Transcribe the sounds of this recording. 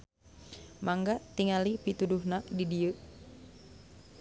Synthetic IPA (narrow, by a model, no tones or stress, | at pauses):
maŋɡat̪iŋalipit̪uduhnadidiə